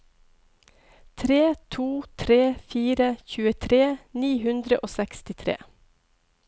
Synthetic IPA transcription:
t̪ʰɾeːt̪ʰuːt̪ʰɾeːfiːɾəçʉːət̪ʰɾeːniːɦʉnd̪ɾəʔoːsɛkst̪ɪt̪ʰɾḛː

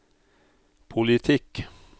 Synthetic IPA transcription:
pʰʊlɪt̪ʰɪk

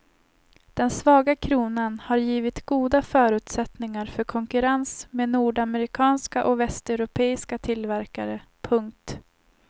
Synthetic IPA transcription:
d̪̥ɛnsvɑːɡakʰɾuːnanhaɾjiːvɪt̪ɡuːd̪afœːɾʉ̟ːt̪sɛt̪nɪŋaɾfœɾkʰɔŋkɵɾansmeːd̪nuːɖamɛɾɪkʰɑːnskaʔɔvɛst̪ɛʉɾʊpʰeːɪskat̪ʰɪlvæɾka̰ɾəpʰɵŋk̚t̪

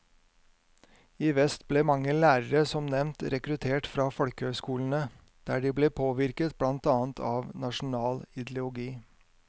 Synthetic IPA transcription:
iːʋɛst̪bleːmɑŋəlæːɾəɾəsɔmnɛmnt̪ɾɛkɾʉt̪ʰeːʈfɾɑːfɔlkəhøːskuːln̩ə | d̪̥æːɖiːbleːpʰoːʋɪɾkət̪blɑnt̪ɑːnt̪ʰɑːʋnɑʃn̩ɑːlɪd̪lʊʊɡiː

